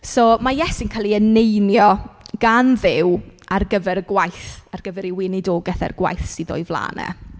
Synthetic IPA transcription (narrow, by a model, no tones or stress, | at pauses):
somajɛsɪnkʰalˠiənejnjɔɡ̥anðɪwarɡəvɛɾəɡwajθarɡ̥əvɛɾiwɪnɪdoːɡɛθɛ̰rɡwa̰jθsiðo̰ɨvlˠa̰ːnɛ̰